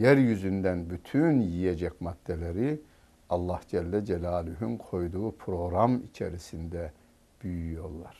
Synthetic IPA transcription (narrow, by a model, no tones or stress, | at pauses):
jæɾjyzynd̪ænbyt̪ʰynjijed͡ʒɛcmat̪ːelʲeɾi | ɑlˠːɑhd͡ʒɛlʲːɛd͡ʒɛlʲaːlʲyɦynkʰo̞jd̪uːpʰɾo̞ɣɾamḭt͡ʃʰḛɾisind̪ɛ | b̥yjyyjo̞ɾlˠaɾ̥